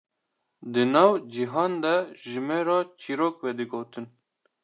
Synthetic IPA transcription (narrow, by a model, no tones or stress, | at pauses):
d̪ɨnɑːwd͡ʒiɦɑːnd̪ɛʒɨmɛɾɑːt͡ʃʰiːɾoːkwɛd̪ɨɡoːt̪ʰɨn